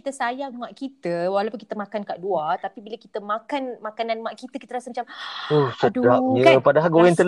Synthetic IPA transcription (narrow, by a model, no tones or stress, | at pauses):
it̪əsajaŋmãʔkit̪əwalapunŋkit̪əmãkankaʔduat̪apibiləkit̪əmãkanmãkanãnmãʔkit̪əkit̪əɾasəmat͡ʃamohsədudapjəkpadaɦalioaŋt̪əl